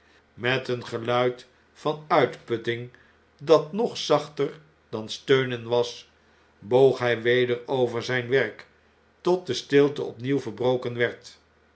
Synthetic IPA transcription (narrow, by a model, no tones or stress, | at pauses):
mɛtənχəlœɥt | fɑnœɥtpɵtɪŋ | dɑtnɔχsɑχtər | d̥ɑnstøɥnənʋɑs | bowχɦɛjʋejdəɹowvəɹzɛjnʋɛɹk | tɔt̚dəstɪlˠtəɔpniwvəɹbrowkənʋɛɹt